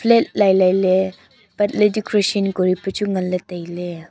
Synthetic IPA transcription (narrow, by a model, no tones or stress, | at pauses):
pʰlet̚lajlajle | bɐt̚ledikʰɾesinkɔɾipɐt͡ʃuŋɐlːɐtɐjle